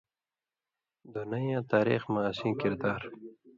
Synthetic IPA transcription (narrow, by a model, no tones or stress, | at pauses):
d̪unajãːt̪aːɾḭxmasĩːkɪɾd̪aːɾ